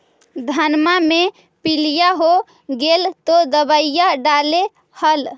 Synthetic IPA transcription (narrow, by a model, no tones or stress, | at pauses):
d̪ʱənmame | pilijaɦo | ɡelt̪od̪əbəjaɖale | həl